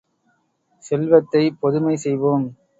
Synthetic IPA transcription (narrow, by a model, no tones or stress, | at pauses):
sɛlʋɐt̪ːɐɪpɔðɯmɐɪsɛjʋoːm